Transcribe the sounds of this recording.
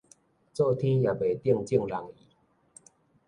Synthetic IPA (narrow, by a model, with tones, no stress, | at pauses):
t͡sɔ˥˧t̪ʰi˦ŋja˨˩pe˨˩t̪ji˥˧˨ŋt͡ɕi˥˨ŋɾa˨˦ŋi˨˩˦